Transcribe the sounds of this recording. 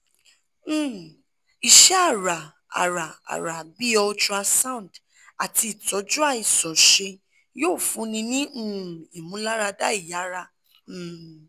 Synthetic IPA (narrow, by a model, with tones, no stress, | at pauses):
i˨ʃɛ˦a˦˨ɾa˨ | a̰˨ɾa˨a̰˨ɾa˨bi˦ɔ˧t͡ʃu˦a˧sã˦˨d | a˨ti˧˨tɔ˨˦d͡ʒu˦a˦˨i˨sɔ˨ʃe˧ | joː˦˨fũ˨˧˦nĩ˧nĩ˦ũ˦˨i˨mũ˨˦la˦ɾa˧da˦i˦˨ja˨˦ɾa˦˨